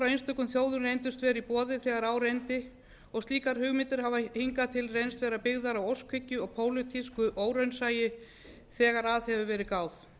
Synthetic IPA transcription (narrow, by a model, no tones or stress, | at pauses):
fɾawejnst̪œkʏnθjoːwðʏɾejnt̪ʏst̪vɛːɾɪipɔːðɪθɛːɣaɾawɾejnt̪ɪ | ɔɣst̪liːkaɾ̥hʏɣmɪnt̪ɪɾ̥havahiŋkat̪ʰɪlrejnst̪vɛːɾapɪɣðaɾawowskʰvɪcːʏɔɣpʰoːwlʏt̪ʰiskʏʔoːwɾœɥnsaːjɪ | θɛːɣaɾaðhɛvʏvɛːɾɪkaːwθ